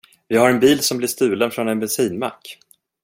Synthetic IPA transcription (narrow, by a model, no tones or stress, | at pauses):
vɪhaɾɛnbiːlsɔmblɪʂt̪ʉ̟ːlənfɾɔnɛnbɛnsiːnma̰kː